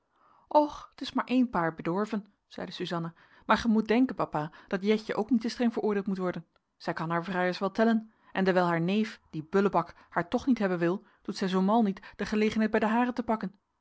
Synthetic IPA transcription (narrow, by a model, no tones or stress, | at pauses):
ʔɔχətɪsmaːɹʔejnpaːɹbədɔɹvən | z̥ɛ̰jdəsyzɑnə | maːɹχəmut̚dɛŋkənpɑpaːd̥ɑtjɛçəʔowknitəstrɛŋvəɹʔʊːɹdeːlˠtmutʋɔɹdən | z̥ɛjkɑnɦaːɹvraːjəsʋɛlˠtɛlən | ʔɛndəɹʋɛjlˠɦaːɹnejfd̥ibøləbɑk | haːɹtɔχnitɦɛbənʋɪlˠ | d̥utsɛjzowmɑlˠnitd̥əχəlejχənɦɛjt̚bɛjdəɦaːrəntəpɑkən